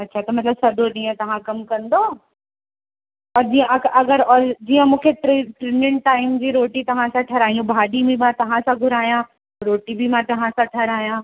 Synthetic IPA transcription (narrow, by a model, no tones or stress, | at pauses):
ɐtːɕʰat̪ɐmɐt̪ləbsɐɗoɗĩːə̃t̪ɐʋ̤ãkɐmkɐ̃nd̪oː | ɔːɾd͡ʑiːə̃ɐɐɡəɾɔːɾd͡ʑiːə̃mũːkʰeʈʈɾemɪ̃ɳʈʈaːɪmd͡ʑiɾoːʈit̪ɐʋ̤ãsãʈʰɐɾaːijũbʱaːɖimĩmãt̪ɐʋ̤ãsãɡʱʊɾaːjã | ɾoːʈibʱimãt̪ɐʋ̤ãsãʈʰɐɾaːijã